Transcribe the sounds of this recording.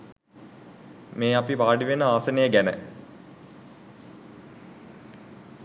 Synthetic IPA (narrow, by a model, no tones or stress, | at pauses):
meːapiʋaːɖiʋenəaːsənejəɡænə̰